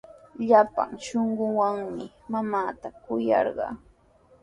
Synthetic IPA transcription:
ʎapa̰ŋʃoɴɢʊwaŋmɪ | mamaːt̪akʊjɑ̰ɾɢɑ̰ː

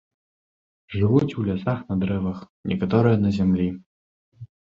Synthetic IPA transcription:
ʐɨvut͡sʲulʲasaxnɐd̪ɾɛvɐx | nʲʔɛ̰kat̪ɔɾɨjɐnɐzʲamlʲi

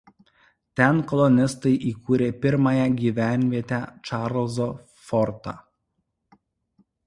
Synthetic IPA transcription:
t̪ʲɛnkɔlˠɔnʲɪst̪ɐɪʔiːkuːɾʲeːpʲɪɾmɑjɛɡʲiːʋʲæˑnʲʋʲiɛt̪ʲæt͡ʃɑːɾlˠzo | fɔɾt̪ɑ̰ː

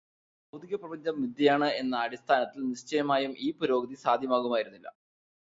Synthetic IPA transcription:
bɐwd̪iɣɐprɐbɐɲd͡ʑɐmːid̪ʱjɐjaːɳɨe̞nːɐːɽist̪ʰaːnɐt̪ːilnist͡ɕɐjɐmaːjumʔiːpuɾo̞ːɡɐd̪isaːd̪ʱjɐmaːɣumaːjiɾunːilːɐ̰

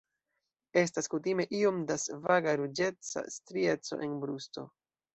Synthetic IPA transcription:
e̞s̬taskutime̞ʔio̞mdasvaɡaɾud͡ʒe̞t͡sa̰stɾie̞t͡so̞̰ʔe̞nbɾusto̞̰

